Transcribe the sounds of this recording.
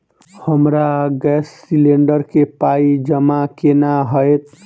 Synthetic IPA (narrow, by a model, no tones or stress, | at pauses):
həmɾaɡɛsːileɳɖəɾkepaid͡ʒəmakenaɦəjt̪